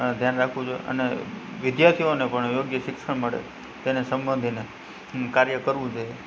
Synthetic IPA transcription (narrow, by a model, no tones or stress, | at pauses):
d̪ʱjanɾakʰʋũd͡ʒoḛʔə̰nḛʋɪd̪jaɾt̪ʰionepəɳjoɡjəʃɪkʂəɳməɽḛ | t̪enesə̃mbənd̪ʱine | kaɾjəkəɾʋũd͡ʒʰoje